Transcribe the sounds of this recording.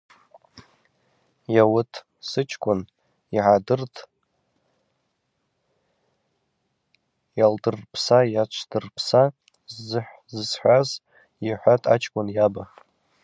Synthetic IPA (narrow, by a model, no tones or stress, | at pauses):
jawʊtʰ | sɨt͡ʃʰkʷʼʊn | iʕadɨrtʰʼ | jaldɨrpʰsajat͡ʃʷʰdɨrpʰsa | zɨħʷ | zɨsħʷaz | iħʷatʼat͡ʃʰkʷʼʊnjaba